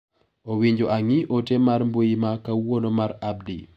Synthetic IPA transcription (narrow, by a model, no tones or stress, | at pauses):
owiɲd͡ʒoʔaŋiʔotemarmbojimakawonomaɾab̚dḭ